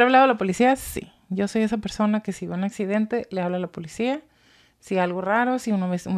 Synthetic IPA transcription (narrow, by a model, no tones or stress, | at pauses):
ɾaβlaðo̞elapo̞lisiasḭ | ɟ͡ʝo̞so̞je̞sape̞ɾso̞nake̞siβjounaksiðe̞nt̪e̞leaβlalapolisia | sialɣo̞raɾo̞siunaβesu